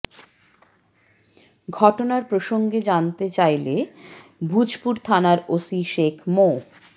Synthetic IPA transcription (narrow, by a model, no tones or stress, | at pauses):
ɡʱɔʈonaɾpɾoʃoŋɡed͡ʑant̪et͡ɕajlebʱud͡ʑpuɾt̪ʰanaɾosiʃekʰmo